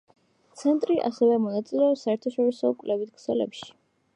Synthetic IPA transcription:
t̪sʰɛnt̪ʼɾiʔa̰sɛvɛmɔnat̪sʼilɛɔsaɛɾt̪ʰaʃɔɾisɔkʼvlʔɛvit̪kʰsɛlɛ̰pʃi̥

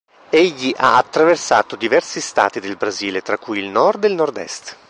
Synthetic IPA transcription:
eʎːiʔa̰at̪ːɾaversa̰ːt̪od̪ivɛrsist̪a̰ːt̪id̪elbɾaziːlet̪ɾakːujilnɔrd̪ilnɔrd̪ɛ̰st̪

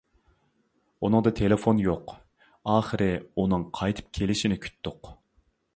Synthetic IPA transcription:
unɨŋd̪ɑt̪ʰelɪfonjoq | ɑːχɨɾɪunɨŋqʰɑjt̪ʰɨ̥p̚kʲʰelɪʃɪnɪkʲʰy̥t̪ːʊq

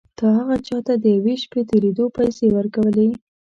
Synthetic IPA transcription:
d̪̥ɑɦaɣat͡ʃɑt̪ad̪əjaweʃpet̪eled̪opajsewəɾkawəle

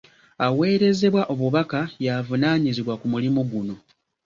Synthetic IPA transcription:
awe̞ːɾe̞ze̞βwaʔo̞βuβakajavunaːɲiziβwakumulimuɡuno̞

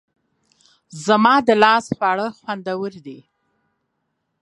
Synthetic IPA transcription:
zamɑd̪əlɑspaɽəxwand̪awəɾd̪i

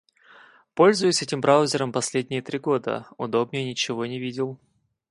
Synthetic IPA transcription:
po̞lʲzʊjʊsʲɛtʲɪmbɾaʊzʲɪɾəmpɐsʲlʲedʲnʲɪjət̪ɾʲiɡo̞d̪ə̰ʊd̪o̞bnʲɪjənʲɪt͡ɕɪvo̞nʲɪvʲidʲɪlˠ

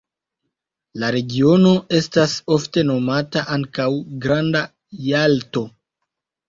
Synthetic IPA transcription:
laɾe̞ɡio̞no̞ʔe̞staso̞fte̞no̞mataʔaŋkawɡɾanda | jalto̞

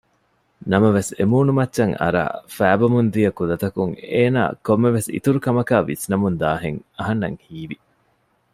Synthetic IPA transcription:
nɐmɐʋesemuːnumɐtːʃɐŋɐ̰ɾa̰ːfæːbɐmund̪ijɐkud̪ɐt̪ɐkuŋeːna̰ːkomːeʋesḭt̪uɾukɐmɐkaːʋḭsnɐmund̪aːɦeŋɐɦɐnːɐ̰ŋhiːʋi

